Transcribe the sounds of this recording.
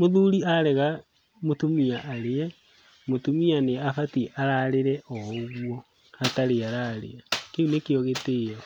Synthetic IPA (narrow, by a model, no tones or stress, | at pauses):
moðuɾiaɾɛɣa | motomiaʔːɾeɛ | motumianeafatiʔaɾaɾeɾɛʔɔoɣwɔ | ataɾeaɾaɾḛakeunekeɔɣeteja